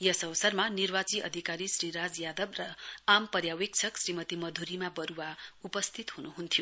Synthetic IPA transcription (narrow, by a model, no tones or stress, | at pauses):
jʌsʌʋʌsʌrmanirbat͡siʔʌ̰d̪ʱikaɾisriɾad͡zjad̪ʌbrʌampʌrjawik̚t͡sʰʌksrimʌt̪imʌd̪ʱuɾimabʌɾuwaupʌst̪ʰit̪ɦunuɦunt̪ʰijo